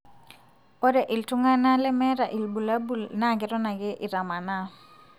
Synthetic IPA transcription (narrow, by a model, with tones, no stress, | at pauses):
pɔ˦dɛ˨ʔɪ˨ltʊ˦ŋa˦na˦lɛ˦mɛ˦ɾa˨ʔi˨lbu˨la˦bu˦˨lna˦˨ɡɪ˦ɾɔ˦na˨ɡɪ˦ʔɪ˨ɾa˨ma˨na˦